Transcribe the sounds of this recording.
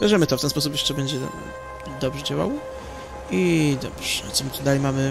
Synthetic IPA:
jɛʐɛmɘt̪ɔft̪ɛnspɔs̬up̬jɛʂt͡ʂɛbɛɲd͡ʑɛ̰ | d̪ɔbʐɛd͡ʑawa̰w | id̪ɔ̰bʐ̥̰t̪ɔmt̪ud̪alɛjmamɘ

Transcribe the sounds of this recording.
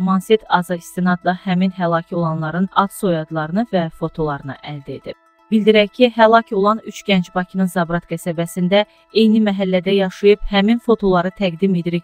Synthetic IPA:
mɑnset̪ʰɑzɑist̪inɑd̪d̪ɑhæminɦælˠɑcʰo̞lˠɑnlˠɑɾɯnɑt̪so̞jɑd̪lˠɑɾɯnɯvæfo̞t̪ʰo̞lˠɑɾɯnɯʔæld̪æḛd̪ib̚ | b̥ild̪iɾæjcʰiɦælˠɑcʰo̞lˠɑnyt͡ʃʰɟ̥ænd͡ʒbɑcʰinɯnzɑbɾɑt̪ɡæsæbæsind̪æ | ejnimæɦælːæd̪æjɑʃɯjɯbhæminfo̞t̪ʰo̞lˠɑɾɯt̪ʰæɡd̪imed̪iɾi

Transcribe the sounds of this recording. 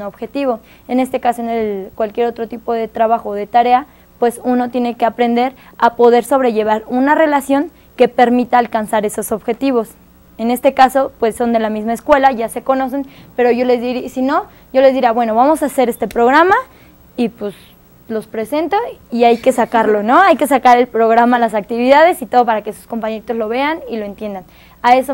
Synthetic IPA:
oβxe̞t̪iβo̞ | ene̞st̪e̞kasoenelkwalkje̞ɾo̞t̪ɾot̪ipo̞ðe̞t̪ɾaβaxoðe̞t̪aɾe̞a | pwe̞suno̞t̪je̞ne̞keapɾe̞nd̪e̞ɾ | apo̞ðeɾso̞β̞ɾe̞ʝe̞β̞aɾunare̞lasjo̞ŋ | ke̞pe̞ɾmit̪aːlkansaɾe̞soso̞βxe̞t̪iβo̞s | e̞ne̞st̪e̞kaso̞pwe̞sːo̞nd̪e̞lamizmaeskwe̞laʝase̞ko̞no̞se̞npe̞ɾo̞ʝo̞le̞zðiɾisino̞ | ʝo̞le̞zðiɾeaβwe̞no̞βamo̞sase̞ɾe̞st̪e̞pɾoɣ̞ɾama | ipwes | lospɾe̞se̞nt̪o̞iajke̞sakaɾlo̞no̞ajke̞sakaɾe̞lpɾo̞ɣɾamalasak̚t̪iβiðað̞esit̪o̞ðo̞paɾake̞su̥sko̞mpaɲeɾit̪ozlo̞βe̞anilo̞ent̪je̞nd̪an | ae̞so

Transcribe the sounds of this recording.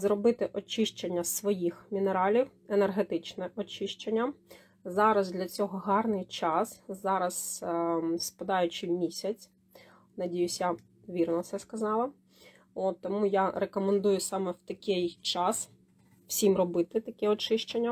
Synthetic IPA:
zɾɔbɪt̪ɪʔɔt͡ʃɪʃt͡ʃenʲːɐsʋɔjixmʲineɾɑlʲiwenerɦet̪ɪt͡ʃnɛʔɔt͡ʃɪʃt͡ʃenʲːɐ | zɑɾɐzd̪lʲɐt͡sʲɔɦɔɦɑrnɪjt͡ʃɑszɑɾɐs | spɐd̪ɑjʊt͡ʃɪmʲisʲɐt͡sʲ | nɐdʲijʊsʲjɐ | ʋʲirnɔtsɛskɐzɑlˠɐ | ot̪ːɔmujaɾekɔmend̪ujʊsɑmɛwt̪ɐkʲɛjt͡ʃɑs | w̥sʲimrɔbɪt̪ɪt̪ɐkʲɛɔt͡ʃɪʃt͡ʃenʲːɐ

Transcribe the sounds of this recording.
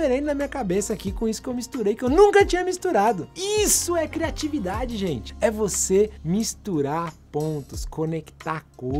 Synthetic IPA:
eɾẽjd̪ʊnɐmĩɲɐkabesɐakikõisʊ̥kɪewmist̪uɾejkɪewnũŋkɐt͡ʃĩɲɐmist̪uɾad̪ʊisʊɛkɾiat͡ʃivid̪ad͡ʒɪʒẽt͡ʃɪ̥ɛvosemist̪uɾaɾpõnt̪ʊskʰonekt̪aɾko

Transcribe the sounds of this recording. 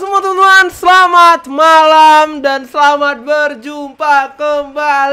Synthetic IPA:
səmuat̪unuansəlamat̪̚malamdansəlamat̪̚bərd͡ʒumpakəmbal

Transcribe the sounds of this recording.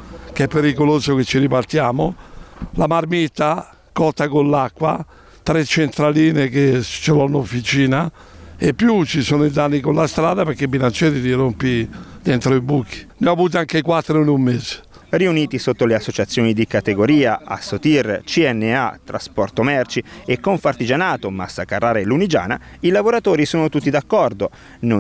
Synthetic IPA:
kɛpːeɾikoloːzoket͡ʃːiɾipart̪jaːmolamaɾmit̪ːa | kɔt̪ːakolːakːwa | t̪ɾet͡ʃːent̪ɾaliːneket͡ʃːelɔnofːit͡ʃiːna | epːjut͡ʃisoːnʊid̪anːikolast̪ɾaːðapeɾkːebːilant͡ʃɛːɾit̪irompid̪ɛnt̪ɾoibukːi̥nɛɔavuːt̪̬iaŋkekwat̪ːɾonumːeze̥ | riuniːt̪isot̪ːoleasːot͡ʃat̪sːjoːnid̪ikat̪eɡoɾiːaʔa̰sːot̪irt͡ʃiɛnːea̰t̪ɾa̰spɔrt̪omɛrt͡ʃiekːoɱfart̪id͡ʒanaːt̪omasːakarːaːɾaelːunid͡ʒa̰ːna̰ilavoɾat̪oːɾisuːnot̪ut̪ːid̪akːɔrd̪o | n

